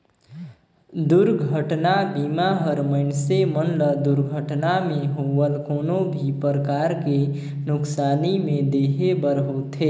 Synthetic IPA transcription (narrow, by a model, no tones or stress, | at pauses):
d̪ʊɾɡʱəʈnabimaɦəɾməɪnsemənləd̪ʊɾɡʱəʈnamẽɦowəlkoːnobʱipəɾəkaːɾke | nʊksaːnimẽd̪eːɦebəɾɦot̪ʰe